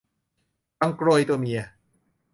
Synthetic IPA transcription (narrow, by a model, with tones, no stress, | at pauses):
pa˧ŋkɾo˧jt̪u˧mi˧ɐ˩